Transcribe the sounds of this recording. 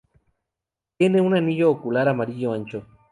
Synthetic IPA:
t̪jeneũnanijoːkulaɾamaɾijoant͡ʃo

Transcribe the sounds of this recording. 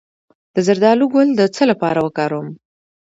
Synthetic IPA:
d̪̥əzaɾd̪ɑluɡʊld̪ət͡səlapɑɾawəkɑɾom

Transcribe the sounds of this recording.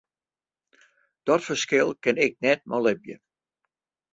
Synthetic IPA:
d̥ɔtfərskɪlˠkɪnɪk̚nɛt̚mʔɔlɪbjə̰

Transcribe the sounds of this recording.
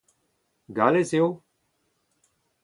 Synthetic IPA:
ɡaːleːsejoː

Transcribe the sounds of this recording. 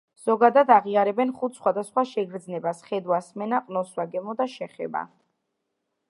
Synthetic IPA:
z̥ɔɡad̪ad̪aʁiaɾɛbɛnχut̪ʰsχwad̪asχwaʃɛɡɾd̪znɛbasχɛd̪wasmɛnaqʼnɔswaɡɛmɔd̪aʃɛχɛ̰ba̰

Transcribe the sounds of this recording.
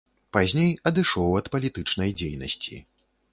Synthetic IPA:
pazʲnʲejɐd̪ɨʂɔwɐt̪pɐlʲit̪ɨt͡ʂnɐjd͡zʲejnɐ̰sʲt͡sʲḭ

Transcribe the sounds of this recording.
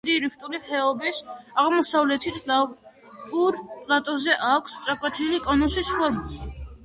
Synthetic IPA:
d̪iɾipʰt̪ʼuliχɛɔbisaʁmɔsavlɛt̪ʰit̪ʰla | uɾpʼlˠat̪ʼɔzɛʔakʷʰst̪sʼakʼwɛt̪ʰilikʼɔnusisʃuaɾbuli

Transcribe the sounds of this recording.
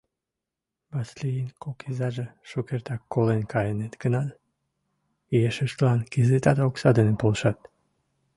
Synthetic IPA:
bɑslijinkokʰizɑʒeʃukert̪ɑkːolenkɑjenet̪ɡənɑt̪ | ieʃəʃt̪lɑnkizet̪ɑd̪oksɑd̪enepolʃɑt̪

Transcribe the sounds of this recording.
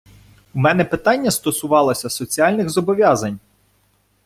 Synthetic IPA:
umɛnɛpɪt̪ɑnʲːɐst̪ɔsʊʋɑlˠɔsʲɐsɔt͡sʲiɑlʲnɪxzɔbɔʋʲjɑzɐnʲ

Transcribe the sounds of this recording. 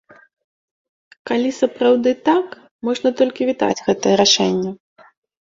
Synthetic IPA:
kalʲisɐpɾawd̪ɨt̪ak | mɔʐnɐt̪ɔlʲkʲivʲit̪a̰d͡zʲɣɛt̪ɨjɛɾaʂɛnʲːɐ

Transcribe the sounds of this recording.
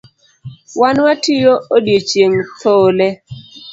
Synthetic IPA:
wanwatʰijoodjet͡ʃjeŋt̪ʰolɛ

